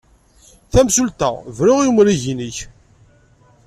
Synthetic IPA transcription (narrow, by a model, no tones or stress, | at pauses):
θæmsult̪æ̰vɾʊʁjumɾiʝiniç